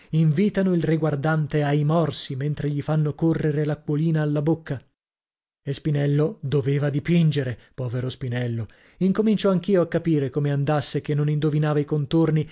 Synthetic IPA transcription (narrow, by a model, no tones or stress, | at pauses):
iɱviːt̪anoilriɡward̪ant̪eajmɔrsiment̪ɾeʎifanːokorːeɾelakːwoliːnaːlːabokːa | espinɛlːod̪oveːvad̪ipind͡ʒeɾepɔːveɾospinɛlːo | iŋkomint͡ʃɔaŋkiːoakːapiːɾekomeand̪asːekenːonind̪ovinaːvaikont̪orni